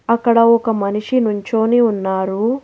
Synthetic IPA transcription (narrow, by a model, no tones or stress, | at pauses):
ɐkːɐɽɐɔkɐmɐniʂinuɲt͡ʃo̞ːniːunːaːɾu